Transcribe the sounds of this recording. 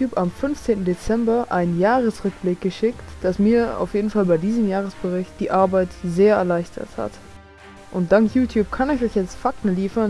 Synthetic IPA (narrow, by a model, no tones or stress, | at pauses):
uːpamfʏnft͡seːntn̩det͡sɛmbɐʔaɪnənjaːʁəsʁʏk̚b̥lɪk̚ɡ̥əʃɪktd̥asmiːɐa̰ʊfjeːdn̩falbaɪdiːzəmjaːʁ̞əsb̥əʁɪçt̚d̥iːʔaɐbaɪtzeːɐɛ̰ɐlaɪçtʰɐ̰tha̰t | ʔʊnt̚d̥aŋktjuːtʰjuːp̚kʰanɪçɔʏçjɛt͡stfak̚tn̩liːfɐn